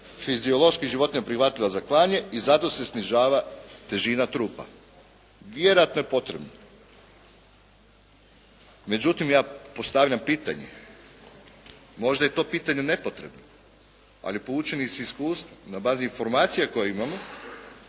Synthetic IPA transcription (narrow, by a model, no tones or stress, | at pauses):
fizio̞lˠo̞ʃkiʒiʋo̞t̪iɲapɾixʋat̪ʎiʋazaklˠaːɲe̞izat̪o̞se̞sniʒaːʋat̪e̞ʒiːnat̪ɾuːpa̰ | ʋje̞ɾojat̪noje̞po̞t̪ɾe̞bno | me̞d͡ʑut̪imjaːpo̞st̪aʋʎʲampiːt̪a̰ɲḛ | mo̞ʒd̪aje̞t̪o̞piːt̪aɲe̞ne̞po̞t̪ɾe̞̰bno | a̰lipoluːt͡ʃeniseiskuːst̪ʋonabaːziinfo̞ɾmaːt̪sijako̞jeimamo̞